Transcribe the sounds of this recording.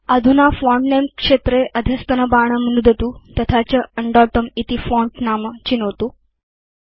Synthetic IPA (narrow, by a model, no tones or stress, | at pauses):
əd̪ʱunafɔɳʈnemkʂet̪ɾeʔəd̪ʱjəst̪ənəbaɳ̃əmənud̪ʱət̪ut̪ət̪ʰat͡ɕəəɳɖɔʈəmit̪ifɔɳʈnamt͡ɕinot̪uː